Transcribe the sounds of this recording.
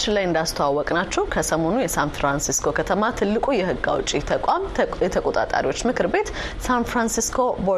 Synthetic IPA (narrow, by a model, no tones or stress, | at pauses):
t͡ʃːlajɨnd̪ast̪ʰowawːɔkʼnat͡ʃːɛwkʰəsəmo̞nujɛsanfɾansiskʰo̞kʰət̪ʰəmat̪ʰɨlːɨkʼujɛhɨɡːa̰wt͡ʃʼit̪ʰəkʷʼamɛt̪ʰəkʼot̪ʼa̰t̪ʼa̰ɾiwo̞t͡ʃːmɨkʰɨɾbe̞t̪ | sanfɾansiskʰo̞bo